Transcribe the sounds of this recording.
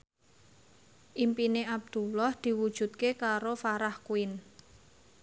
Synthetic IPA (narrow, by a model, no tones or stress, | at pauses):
ʔimpineʔab̚d̪̥ulɔhd̪̥i̤wud̥ʒ̥ṳt̪̚kekaɾofaɾahkuɪn